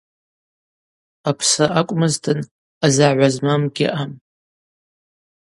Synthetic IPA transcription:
apʰsaʔakʷʼmɨztʰʼɨn | azaʕʷazmamɡʲɪ̰ʔam

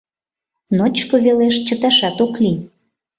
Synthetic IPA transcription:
not͡ɕkoβeleʃt͡ɕət̪ɑʃɑt̪okli

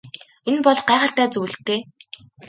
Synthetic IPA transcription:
enpɔɮɢæːʁə̆ɬt̪æːt͡sɵw̆ɮ̆t̪ːeː

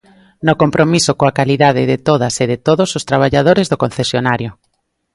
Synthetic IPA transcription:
nokompɾomisokoakaliðað̞ɪðɪt̪oð̞aseðɪt̪oðosost̪ɾaβ̞aʎað̞oɾezðokonθesjonaɾjo

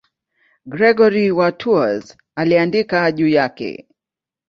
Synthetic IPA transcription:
ɡɾɛɡɔɾiwatʰuaz | aliandikaʄuːjakɛ̰

